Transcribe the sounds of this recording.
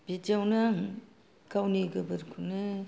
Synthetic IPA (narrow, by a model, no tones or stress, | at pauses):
bid͡ʒawnaŋ | kawniɡɯbɯɾkʰunɯ